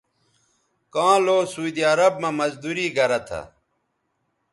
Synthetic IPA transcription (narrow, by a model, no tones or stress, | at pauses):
kãːloːsud̪iɐɾɐb̚mɐmɐzd̪uɾiːɡɐɾɐt̪ʰɐ̰